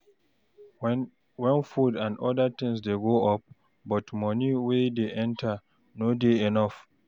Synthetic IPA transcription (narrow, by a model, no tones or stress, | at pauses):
wɛ̃nfudãndɔdat̪ɪ̃ŋsdeɡoɔp̚ | bɔtmɔniwedeʔɛ̃ntʰa | nodeɛnɔf